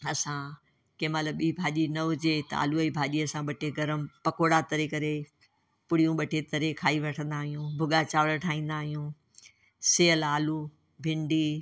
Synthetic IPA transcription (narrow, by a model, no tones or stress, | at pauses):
ɐsã | kẽmaləbɓiːbʱaːʄinɐʊd͡ʑet̪a̰ːluɐiːbʱaːʄiɐsãɓɐʈʰeɡɐɾəmpɐkoːɽat̪ɐɾekɐɾe | pʊɽijũɓɐʈʰet̪ɐɾekʰaːiʋɐʈʰə̃nd̪aːɦijũːbʱʊɠat͡ɕaːʋɽʈʰaːĩːnd̪aːɦijũː | seːəlaːlu | bʱɪ̃ɳɖiː